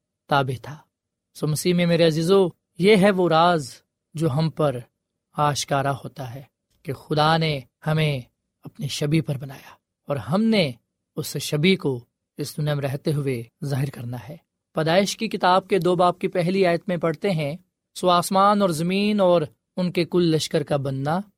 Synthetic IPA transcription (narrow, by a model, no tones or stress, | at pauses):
t̪aːbɪt̪ʰaː | soːmɐsiːɦmẽmeːɾeɐziːzo | jeɦɛʋoɾaːz | d͡ʒoːɦɐmpɐɾ | aːʃkaːɾaɦoːt̪aɦɛː | kexʊd̪ane | hɐmẽ | ɐpniʃɐbipɐɾbɐnaːjaː | ɔːɾɦɐmne | ʊsʃɐbiko | ɪsd̪ʊnijamẽɾɛɦt̪eɦʊezaːɦɪɾkɐɾnaɦɛː | pɐd̪aːɪʃkikɪt̪aːb̚ked̪oːbaːp̚kipɛɦliaːjət̪mẽpɐɽt̪eɦɛ̃ | sʊaːsmaːnɔːɾzɐmiːnɔːɾ | ʊnkekʊlːɐʃkəɾkabɐnːa